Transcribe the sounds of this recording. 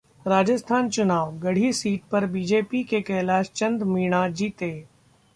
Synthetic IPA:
ɾaːd͡ʒəst̪ʰaːnt͡ʃʊnaːʋɡɐɽ̤isiːʈ̚pɐɾbiːd͡ʒeːpikekɛɦlaːt͡ʃt͡ʃɐ̃nd̪miːɽ̃ad͡ʒiːt̪eː

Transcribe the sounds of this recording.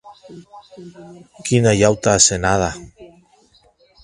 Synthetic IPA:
kinajawt̪asenaða

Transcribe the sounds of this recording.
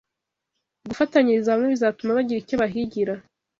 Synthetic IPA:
ɡufataɲiɾizaamŋeβizatumaβaɟiɾicoβaɦiɟiɾa

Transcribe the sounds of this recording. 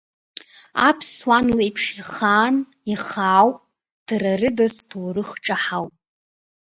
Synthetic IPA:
a̰pʰswanlejpʰʂiχaːn | iχaːwpʼ | d̥rarɨdastʰoːrɨχʈ͡ʂʼaħawpʼ

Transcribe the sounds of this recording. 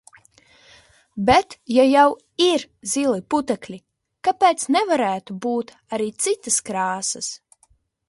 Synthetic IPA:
bɛt̪jajaw | iɾzilˠiput̪ɛklʲi | kapeːt̪snɛvaɾæːt̪ubuːt̪ | aɾiːt̪sit̪askɾaːsɐs

